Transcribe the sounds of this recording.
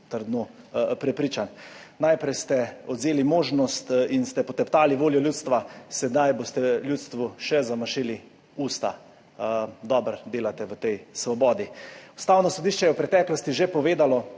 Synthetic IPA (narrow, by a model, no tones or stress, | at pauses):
t̪əɾd̪no | pɾɛpɾiːt͡ʃan | najpɾɛjst̪ɛɔd̪zeːlimoːʒnɔst̪inst̪ɛpɔt̪ɛpt̪aːliʋoːljɔljuːt̪st̪ʋasɛd̪ajbost̪ɛljuːt̪st̪ʋuʃɛzamaʃili | uːst̪a̰ | d̪ɔːbɾd̪eːlat̪ɛʋət̪ɛjsʋɔbɔːd̪iust̪aːwnɔsod̪iːʃt͡ʃɛjɛwpɾɛt̪ɛklɔst̪iʒepɔʋeːd̪alɔ